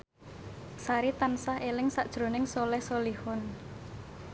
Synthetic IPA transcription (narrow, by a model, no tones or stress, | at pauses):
saɾit̪ansahelɪŋsaʔd̥ʒ̥ɾo̤nɪŋsolɛhsolihʊn